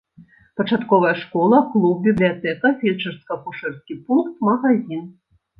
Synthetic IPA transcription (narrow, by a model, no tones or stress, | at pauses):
pɐt͡ʂat̪kɔvɐjɐʂkɔlˠɐklˠup̚bʲiblʲijat̪ɛkɐfʲet͡ʂɐrskɐkuʂɛrskʲipunkt̪mɐɣazʲin